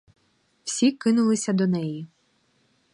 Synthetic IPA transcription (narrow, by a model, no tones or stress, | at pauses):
w̥sʲikɪnʊlˠɪsʲɐd̪ɔnɛji